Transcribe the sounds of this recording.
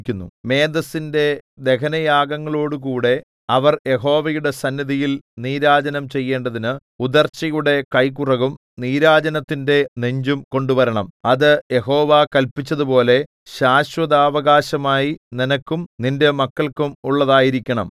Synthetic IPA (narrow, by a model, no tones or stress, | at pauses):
kʲːunːṵme̞ːd̪ɐsinde̞d̪e̞kʰɐnɐjaːɡɐŋːɐɭo̞ːɽuk̬uːɽe̞ | ɐʋɐrje̞ɦo̞ːʋɐjuɽe̞sɐnːiðijilniːɾaːd͡ʑɐnɐmt͡ɕe̞jːe̞ːɳɖɐðinɨ | ud̪ɐrt͡ɕɐjuɽe̞kɐjkurɐɣum | niːɾaːd͡ʑɐnɐt̪ːinde̞neɲd͡ʑumko̞ɳɖuʋɐɾɐɳɐmɐðɨje̞ɦo̞ːʋakɐlpit͡ɕːɐðupo̞ːle̞ | ɕaːɕʋɐðaːʋɐɣaːɕɐmaːjininɐkːumninde̞mɐkːɐɭkumuɭːɐðaːjiɾikʲːɐɳɐ̰m